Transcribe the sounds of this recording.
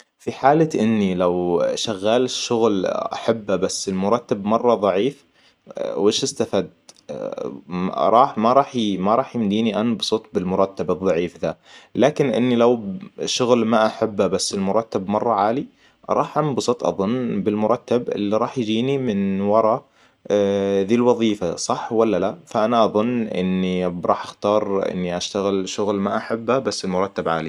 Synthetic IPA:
fiħaːlaʔɪnːilawʃaɣːaːlʃːʊɣlʔa̰ħabːabasːɪlmʊɾˤɑt̪ːabmɑrˤːɑðˤɑʕiːf | wʔɪːʃɪst̪afaːd̪ | ɾˤɑːħmaɾˤɑːħmaɾˤɑːħjɪmd̪iːniʔanbsˤɨt̪ˤbɪlmʊɾˤɑt̪ːabɨðˤːɑʕiːfd̪alaːkɪnʔɪ̰nːilawʃʊɣlmaʔaħabːabasːɪlmʊɾˤɑt̪ːabmɑrˤːɑʕaːli | ɾˤɑːħʔanbsˤɨt̪ˤʔɑ̰ðˤʊnːbɪlmʊɾˤɑt̪ːabʔɪ̰lːiɾˤɑːħjd͡ʒiːnimɪnwɑɾˤɑ | ðiːlwɑðˤiːfasˤɑħwalːalafaʔanaʔɑðˤʊnːʔɪ̰nːibɾˤɑːħʔaxt̪ɑːɾˤʔɪ̰nːiʔaʃt̪aɣɪlʃʊɣlmaʔaħabːabasːɪlmʊɾˤɑt̪ːabʕa̰ːli

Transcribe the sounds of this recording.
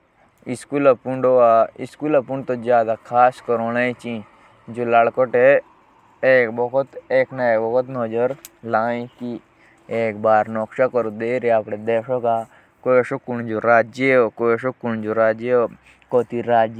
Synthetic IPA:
iskulɐpuɳɖoaɪskulɐpuɳɖt̪od͡ʒjaːd̪akʰaːskəɾoːnaĩt͡ʃĩ | d͡ʒoːlaːɭkoʈe | eːkbɔɦʊt̪eːknaeːkbɔɦʊt̪nɔːd͡ʒəɾlaːĩk̪i | eːkbaːɾnɔkʃakɔɾod̪eːɾaapɽed̪eːʃoka | koʃokʊnd͡ʒoɾaːd͡ʒjeokoʃokʊɳ̃d͡ʒoɾaːd͡ʒjeo | kɔːt̪iɾaːd͡ʒj

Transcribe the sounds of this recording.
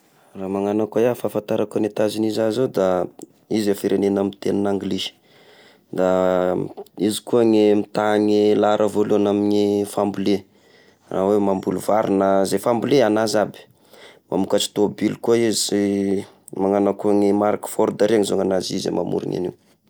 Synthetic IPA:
raːmaŋanakajafafant̪aɾakanet̪azinizazod̪a | izafiɾʔenenamint̪eninaŋɡli̥ | d̪a | izi̥kuaŋemit̪aŋelaɾʔəvoluanaminifambule | rawemambuluvaɾinəzefambuleanazabi̥ | ma̰mukat͡ʃi̥t̪obilkuaize | maŋanakuaŋemaɾakfɔɾd̪aɾeaŋizoŋanazizḛmʔa̰mṵɾḭŋa̰nḭ

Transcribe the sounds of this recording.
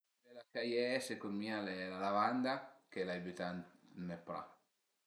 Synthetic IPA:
elakajɛsekommialelalavand̪akelaebyt̪annepɾa̰

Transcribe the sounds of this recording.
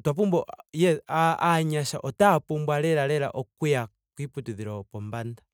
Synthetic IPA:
twap̬umbɔjɛaaɲaʃa̰ʔɔtapumbwalɛɾalɛla̰ʔɔkwuja | kwiputiðiɾɔpɔmbanda

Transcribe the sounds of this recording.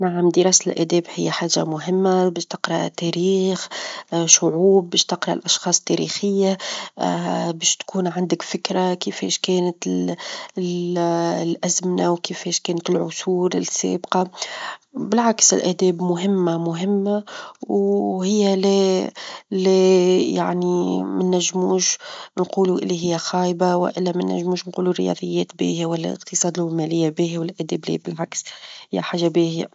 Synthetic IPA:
naʕamd̪iɾˤɑːslʔæ̰d̪ɛːbhɪjːaħaːʒa̰mʊɦɪmːabɛːʃt̪ɪqɾˤɑt̪ɛɾiːxʃʊʕuːb̚ːɛːʃt̪ɪqɾˤɑlʔɑʃxɑːsˤt̪ːɛɾḭxɪjːa | bɛːʃt̪kʰuːnʕand̪ɪkfɪkɾakɪfɛ̰ːʃkɛːnət̪ | lʔæzmɪnawkɪfɛːʃkɛːnət̪ɪlʕʊsuːɾɪ̰lsɛ̰ːbqɑ | bɪlʕaksɪlʔæːd̪ɛːbmʊɦɪmːamʊɦɪmːawhɪjːale | leja̰ʕnimɪnːæʒːmuːʃnquːluʔɪ̰lːiɦɪjːaxɑːjbawɪ̰ʔɪlːæmɪnːæ̰ʒːmuːʃnquːlurɪ̰jɑ̰ːd̪ˤəjːɛːt̪bḭːhæwælːæ̰lʔə̰qt̪ɨsˤɑːd̪lmɛːlɪjːabiːɦwɪlʔæːd̪ɛːblḭːbɪlʕakshɪjːa̰ħaːʒːabihɪja̰

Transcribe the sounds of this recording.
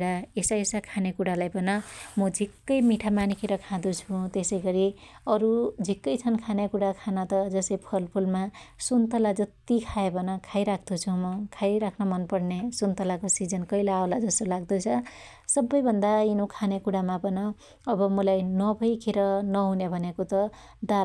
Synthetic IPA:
ɽaesaesakʰanekuɽalajbʌnʌmʌd͡zʱikːʌjmiʈʰamanikʰeɾʌkʰãd̪ut͡sʰũt̪esʌjɡʌɾiʌɾud͡zʱikːʌjt͡sʰʌnkʰanekuɽakʰanʌt̪ʌd͡zʌsʌjpʰʌlpʰulmasunt̪ʌlad͡zʌt̪ikʰaebʱʌnʌkʰajɾak̚ʰd̪ut͡sʰumʌkʰajɾakʰnʌmʌnpʌrnesunt̪ʌlakosid͡zʌnkʌilaaolad͡zʌst̪olaɡ̚d̪ʌt͡sʰʌ | sʌbːʌjbʱʌnd̪ainokʰanekuɽamabʱʌnʌː | bʌmʌlajnʌbʱʌjkʰeɾʌnʌɦunebʱʌnekot̪ʌ | d̪al

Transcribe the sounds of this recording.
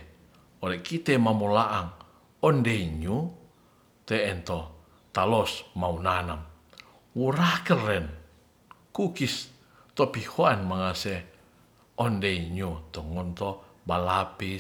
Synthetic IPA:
ɔlɛkit̪ɛmamolaʔaŋ | ɔndeiɲu | t̪ɛːnt̪ɔ | t̪alɔsmaunanam | wuɾakərɛn | kukis | t̪ɔpihoanmaŋasɛ | ɔndeiɲut̪ɔŋɔnt̪ɔbalapi

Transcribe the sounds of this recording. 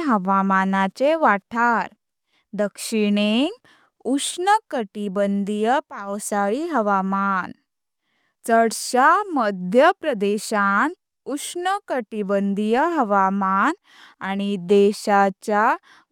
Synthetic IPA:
ɦəʋamanat͡ɕeʋaʈʰaɾ | d̪əkʂiɽeŋɡ | uʂnəkəʈibənd̪ʱijəpawsaɭiɦəʋaman | t͡səɽɕaməd̪ʱjəpɾəd̪eɕan | ukʂnəkəʈibənd̪ʱijəɦəʋaman | aɽ̃id̪eɕat͡ɕja

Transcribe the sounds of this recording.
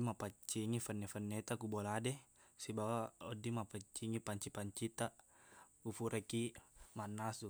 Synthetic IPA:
mapat͡ʃiŋifənːefənːet̪akuboladesibawaodːimapat͡ʃːiŋipaɲt͡ʃipaɲt͡ʃit̪a | kufuɾʔekimanːasu

